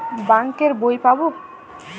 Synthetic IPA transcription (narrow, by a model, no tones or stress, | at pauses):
baŋkeɾbojpabo